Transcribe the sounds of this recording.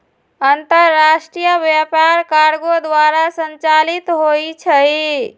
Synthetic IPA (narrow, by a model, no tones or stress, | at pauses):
ənt̪əɾːasʈɾijəbjapaɾkaɾɡod̪waɾasənt͡ʃalit̪ɦojt͡ʃʰəj